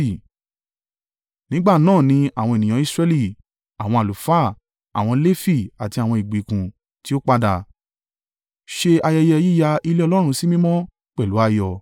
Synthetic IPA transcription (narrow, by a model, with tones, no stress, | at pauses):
i˨ | nĩ˨˦ɡ͡ba˦˨nãː˦˨nĩ˧a˨w̃ɔ̃˧e˨nĩ˨ã˨˦i˦˧sɾɛ˧li˦˨ | a˨w̃ɔ̃˧a˨lu˨fa˦˨ | a̰˨w̃ɔ̃˧le˦fi˦˨a˨ti˧a˨w̃ɔ̃˧i˨ɡ͡bi˨˦kũ˨ | ti˦o˦k͡pa˧da˧˨ | ʃe˧a˧jɛ˧jɛ˧ji˦ja˧ʔi˧le˦ɔ˧lɔ˦ɾ̃ũ˧si˦mĩ˦mɔ̃˦ | k͡pɛ˦˨lu˨˦a˧jɔ˧˨